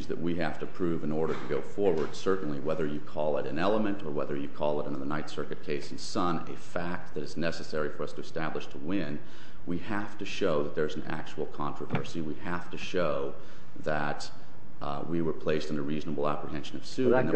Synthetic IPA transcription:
zðɨ̰ʔ̚wihæftɨpʰɹ̥ʉvɨ̃nɔɹɾə˞ɾɨɡoʊfɔɹwə˞d̥sɜ˞ʔn̩liwɛðə˞jɨkʰɔlˠəɾɨ̃nɛlˠəmɨ̃ntə˞wɛðə˞jɨkʰɔlˠəɾɨ̃nðənaɪtsɜ˞kɨt̚kʰeɪsn̩sʌ̃nɨ̰fæk̚t̪̚ðɨɾɨtznɛsɨsɛɹifə˞ʌstʰɨɨstæbləʃtʰəwɪ̃n | wihæftɨʃoʊðət̪̚ðə˞zn̩æ̰k̚t͡ʃəl̩ˠkʰɑ̃nɹ̥əvɜ̰˞siwihæftɨʃoʊ | ðə | t̚ | wiwə˞pʰl̥eɪstn̩ɨɹiznəbl̩ˠæ̰pɹiɦɛ̃nʃɨ̃nʌv̥sʉ̃n

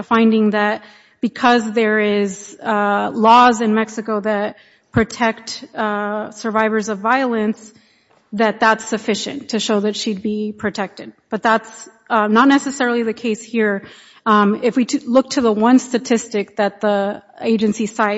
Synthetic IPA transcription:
fãɪ̃ndɪ̃ŋðɨt̚ | b̥ɨkʰʌzðə˞ɪz | lɔzɨ̃nmɛksɨkoʊðɨt̚ | pʰɹ̥ɨtʰɛk̚t | sə˞vaɪvə˞zʌvaɪəlˠɨ̃ns | ðɨt̪̚ðætsɨfɪʃɨ̰̃ntʰɨʃoʊðɨtʃid̚bipʰɹ̥ɨtʰɛk̚tɨd̚b̥ʌt̪̚ðæts | nətⁿnɛsɨsɛɹl̩ˠiðɨkʰeɪshiɹ | ɪfwitʰlʊk̚tʰɨðəwʌ̃nstɨtʰɪstɨk̚ðɨt̪̚ðieɪd͡ʒɨ̃nsisaɪ

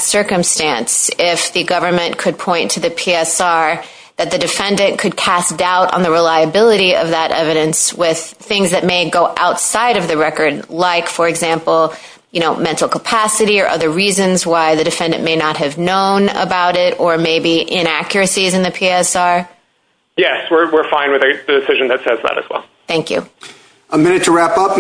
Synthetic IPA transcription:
sɜ˞kɨ̃mstæ̃nsɪfðɨɡʌvə˞mɨ̃nkʰɨd̚pʰɔ̃ɪ̃ntʰɨðɨpʰiɛsɑɹ | ðɨt̪̚ðɨdɨfɛ̃ndɨ̃nkʰɨd̚kʰæsd̥aʊɾn̩ðɨɹɨlaɪɨbɪlˠɨɾiʌ̰vðəɾʔɛ̰vɨɾɨ̃nswɪð̥θɪ̃ŋzðɨt̚meɪɡoʊʔaʊtsaɪɾʌvðɨɹɛkə˞dlaɪkfə˞ɨɡzæ̃mpl̩ˠ | jɨñoʊmɛ̃ntˡl̩ˠkʰəpʰæsɨɾiə˞ʔʌ̰ðə˞ɹizɨ̃nzwaɪðɨdɨfɛ̃ndɨ̃nmeɪnət̚ɦɨvnõʊ̃nə̰baʊɾɪɾə˞meɪbiʔɪ̃ɾ̃ækjə˞ɨsizɨ̃nðɨpʰiɛsɑɹ | jɛswɪɹwɪɹfãɪ̃nwɨðɨðɨdɨsɪʒɨ̃nðɨtsɛzðə̰ɾɨ̰z̥wɛ̰lˠ | θæ̃ŋkjʉ̰ | əmɪ̃nɨtʰəɹæpʌp

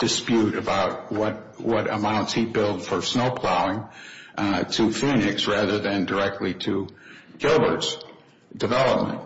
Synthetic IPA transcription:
d̥ɨspjʉɾɨbaʊt̚wʌt̚ | wʌɾə̰mãʊ̃ntshibɪlˠd̥fə˞snoʊpʰl̥aʊɪ̃ŋ | tʰɨfĩnɪksɹæðə˞ðɨ̃ndə˞ɛk̚tˡliɾɨɡ̥ɪlˠbə˞ts | d̥ɨvɛlˠəp̚mə̰̃nt̚

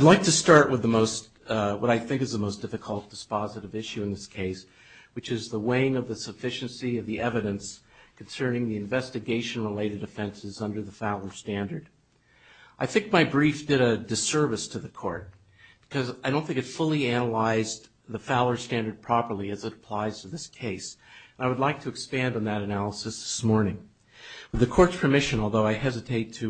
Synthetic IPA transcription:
adˡlaɪk̚tʰɨstɑɹʔwəðəmoʊst | wʌɾaɪθɪ̃ŋkɨzðəmoʊsd̥ɪfɨkʰl̩ˠt̚d̥ɨspɑzɨɾɨvɪʃʉɨ̃nðɪskʰeɪs | wɨt͡ʃɨzðəweɪɪ̃ŋʌvðɨsɨfɪʃɨ̃n̩siʌvðiʔɛvɨɾɨ̃nskʰn̩sɜ̃˞nɪ̃ŋðiɨ̃ɱvɛstɨɡeɪʃɨ̃n̩ɹəleɪɾɨɾɨfɛ̃nsɨzʌ̃ndə˞ðəfaʊlˠə˞stæ̃ndə˞d | ʔaɪθɪ̃ŋk̚maɪbɹifd̥ɨɾɨdɨsɜ˞vɨstʰɨðɨkʰɔ̰ɹt̚ | b̥ɨ̥kʰʌzaɪɾõʊ̃nθɪ̃ŋkɨtfʊlˠiænəlaɪz | ðəfaʊlˠə˞stæ̃ndə˞d̚pʰɹ̥ɑpə˞lˠiɨzɨɾəpʰl̥aɪz̥tʰɨðɪskʰeɪsnaɪwədˡlaɪk̚tʰɨkspæ̃ndn̩ðɨɾɨnælˠəsɨsðɪ̥smɔɹnɪ̃ŋ | wɨðɨkʰɔɹtspʰə˞mɪʃɨ̃nɔlˠðoʊaɪɦɛzɨtʰeɪtʰɨ

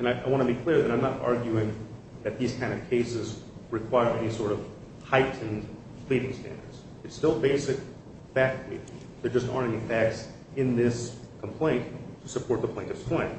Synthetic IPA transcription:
ɨ̃naɪʔaɪwɑ̃ñəbikʰl̥ɪɹðɨɾãɪ̃mnəɾɑ̰ɹɡjʉɪ̃ŋ | ðɨt̪̚ðiz̥kʰãɪ̃ndʌv̥kʰeɪsɨz | ɹɨkʰw̥aɪə˞ʔɛ̰nisɔɹɾʌv̥ | haɪʔn̩ | pʰl̥iɾɪ̃ŋstæ̰̃ndə̰˞dz̥ | ɨtstɪlˠbeɪsɨk̚ | fæk̚tlḭ | ðə˞d͡ʒʌstɑ̰ɹɛnifæk̚ts | ɨ̃nðɪskʰm̩pʰl̥ẽɪ̃ntʰɨsəpʰɔɹt̪̚ðəpʰl̥ẽɪ̃kɨ̥skʰɔ̃ɪ̃n

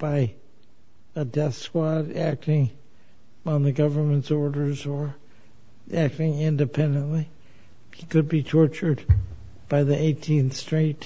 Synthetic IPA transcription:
b̥aɪ | ɨdɛskwɑɾæk̚tɪ̃ŋ | ə̃nðɨɡʌvə˞mə̃ntsɔɹɾə˞zə˞ | ʔæk̚tɪ̃ŋɪ̃ndɨpʰɛ̃ndɨ̃nʔli | hikɨd̚bitʰɔɹt͡ʃə˞d | b̥aɪðiʔeɪtʰĩnθstɹ̥eɪt

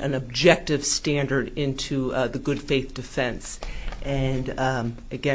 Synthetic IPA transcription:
ʔɨ̰̃nɨb̚d͡ʒɛk̚tɨv̥stæ̃ndə˞ɾɪ̃ntʰʉðɨɡʊd̥feɪθd̥ɨfɛ̃nsʔɨ̃n | ɨɡɛ̃

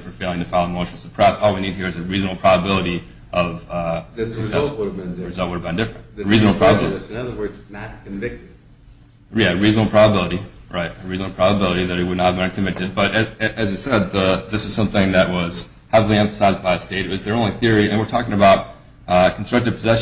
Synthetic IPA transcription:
fə˞feɪlˠɪ̃ŋtɨfaɪlˠmoʊʃnl̩ˠsə̥pʰɹ̥ɛsɔlˠwinid̚tʰɨhiɹɨzɨɹizn̩l̩ˠpʰɹ̥ɑbəbɪlˠəɾi | ʔʌv̥ | sɨsɛɾɨɨ̃nɹɨzʌlˠt̚wʊɾəvbɨ̃ndɪfɹɨ̃ntɹizn̩l̩ˠpʰɹ̥ɑbəbɪl̃ˠʌðə˞wɜ˞dznɨt̚kɨ̃ɱvɪk̚t | jæɹiznl̩ˠpʰɹ̥ɑbəbɪlˠəɾiɹaɪt̚ɨɹizn̩l̩ˠpʰɹ̥ɑbəbɪlˠəɾiðɨɾɨwədⁿnətɨvbɨ̃nkʰɨ̃m̩vɪk̚tɨd̚bʌɾɨʔɨzjɨsɛd̪̚ðəðɪswʌz̥sʌ̃mθɪ̃ŋðɨʔ̚wʌz̥ | hɛvl̩ˠiɛ̃ɱfə̥saɪzbaɪɨsteɪɾɨwʌzðə˞õʊ̃nliθɪɹiɨ̃nwɨɹtʰɔkɪ̃ŋɨbaʊt̚ | kʰn̩stɹ̥ʌk̚tɨv̥pʰəzɛʃ

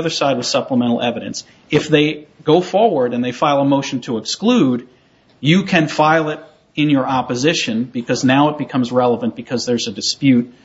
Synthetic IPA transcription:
ʌðə˞saɪd̚wʌð̥sʌpləmɛ̃ɾ̃l̩ˠɛvɨɾɨ̰̃ns | ɨfðeɪɡ̥oʊfɔɹwə˞ɾɨ̃nðeɪfaɪlˠəmoʊʃn̩tʰəəksklud | jɨkʰɨ̃nfaɪlˠɪɾ | ɨ̃njə˞ɑpɨzɪʃɨ̃nbɨkʰʌznaʊət̚b̥ɨkʰʌ̃mzɹɛlˠəvə̃nb̥ɨkʰʌzðə˞zɨdɨspjʉt̚

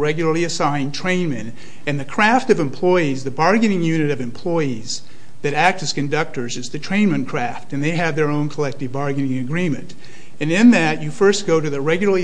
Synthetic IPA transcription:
ɛɡjl̩ˠə˞lˠiɨsãɪ̃ntʰɹ̥ẽɪ̃nmɨ̃n | ɨ̃nðɨkʰɹ̥æftʌvɨ̃mpʰl̥ɔɪizðɨbɑɹɡɨ̃nɪ̃ŋjʉnɨɾʌvɨ̃mpʰl̥ɔɪiz̥ | ðɨɾæk̚tɨz̥kɨ̃ndʌk̚tə˞zɨzðɨtʰɹ̥ẽɪ̃nmɨ̃nkʰɹ̥æftɨ̃nðeɪɨvðə˞õʊ̃nkʰəlɛk̚tɨvbɑɹɡɨnɪ̃ŋɨɡɹĩmɨ̰̃n | ɨ̃nɪ̃nðɨt͡ʃɨfɜ˞st̚ɡ̥oʊɾɨðɨɹɛɡjl̩ˠə˞li

